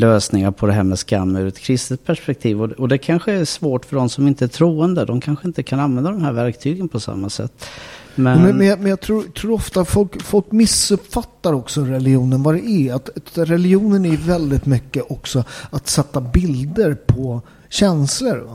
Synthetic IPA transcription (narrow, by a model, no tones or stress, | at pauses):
løːsnɪŋaɾpʰɔd̪ɛɦæːɾmɛskamːʉɾɛt̪kʰɾɪst̪ət̪̚pʰæʂpɛk̚t̪ʰiːvɔɔd̪ɛkʰanɧəæsvoːʈfœɖɔmsɔmɪnt̪əæʈ̪ʰɾuːənd̪əd̪ɔmkʰanɧəɪnt̪əkʰananvɛnd̪ad̪ɔmhæːɾvæɾk̚t̪ʰyːɡənpʰɔsa̰mːasɛ̰t̪ːmɛmɛmɛnjamɛnjɑt̪ʰɾuːɾt̪ʰɾuːɾɔft̪afɔlkfɔlkmɪsɵpfat̪ːaɾɔksɔɾɛlɪuːnənvɑd̪ɛʔæat̪ɾɛlɪuːnənæjvɛld̪ɪt̪mʏkːəʔɔksɔat̪sɛt̪ːabɪld̪əɾpʰɔ | ɕɛnsləɾ